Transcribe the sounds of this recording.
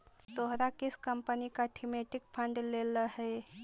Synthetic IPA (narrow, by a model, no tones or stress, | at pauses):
t̪oɦɾakiskəmpənikaʈʰimeʈikpʰə̃ɳɖleləɦe